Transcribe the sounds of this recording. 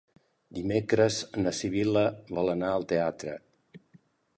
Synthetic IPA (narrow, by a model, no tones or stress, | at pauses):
d̪imekɾəznəsiβiləβɔlˠənaəlˠt̪eat̪ɾə̰